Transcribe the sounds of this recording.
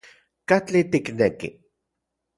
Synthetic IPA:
kat͡ɬit̪iknekḭ

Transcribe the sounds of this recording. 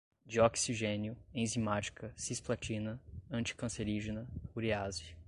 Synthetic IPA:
d͡ʒiɔksiʒẽnjʊẽzimat͡ʃi̥kʰɐsisplat͡ʃĩnɐɐ̃nt͡ʃi̥kɐ̃seɾiʒenɐuɾiazi

